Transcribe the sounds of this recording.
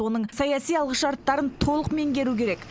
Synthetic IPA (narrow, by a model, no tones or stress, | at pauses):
wo̞nəɴsɑjɑsijɑlˠʁəʃɑɾt̪ːɑɾənt̪ʰo̞lˠəqme̞ŋɡʲe̞ɾukʲʰe̞ɾe̞k